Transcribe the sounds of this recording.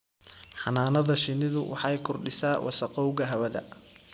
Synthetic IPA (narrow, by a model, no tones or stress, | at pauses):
ħɑnaːnɐðɐʃɪnɪðʊwɑ̰ħɑjkʰɔrɖɪsaːwʔɑ̰sɐqɔwɣɐɦɐβɐðɐ̰